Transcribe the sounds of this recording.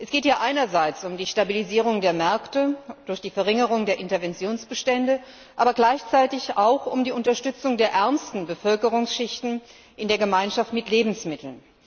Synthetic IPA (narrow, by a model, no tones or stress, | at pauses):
ʔɛsɡ̥eːtjaːʔaɪnɐzaɪt͡sʊmdiːʃtabiliziːʁ̞ʊŋdeːɐmɛɐktəd̥ʊɐçd̥iːfɛɐʁɪŋəʁ̞ʊŋdeːɐʔɪntɐvɛnt͡sjoːnsb̥əʃtɛndə | ʔaːbɐɡlaɪçt͡saɪtɪçaʊxʊmdiːʊntɐʃtʏt͡sʊŋdeːɐʔɛɐmstn̩bəfœlkəʁ̞ʊŋsʃɪçtn̩ | ʔɪndeːɐɡəmaɪnʃaftmɪtleːbm̩smɪtʰl̩n